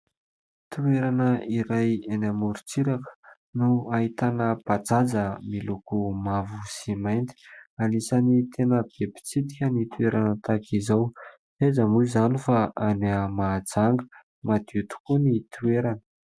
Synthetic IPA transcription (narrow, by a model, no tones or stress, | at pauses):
t̪ueɾanəiɾajenamuɾut͡siɾakə̥ | nuaɦit̪anəb̥ad͡zazəmilukumavusimajnt̪i̥alisanit̪ʰenəb̥epi̥t͡sit̪ikʲənit̪uweɾanət̪akizaw | ezəmuizanifaaneamad͡zaŋɡə̥ | mad̪̥ut̪u̥kunit̪ʰueɾanə̥